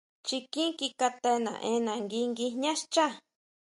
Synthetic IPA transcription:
t͡ʃi˧kĩ˦ki˧ka˧t̪e˧nã̰˨ʔẽ˧˦nã˨ŋɡi˧ŋɡi˧ɲã˦ʃt͡ʃa˦˨

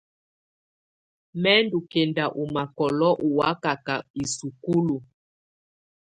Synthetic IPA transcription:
mɛ˦ndu˨kɛ˨nda˨ʔu˨ma˨kɔ˨lɔ˦ʔu˨wa˦ka˨ka˨i˨su˨ku˦lu˨

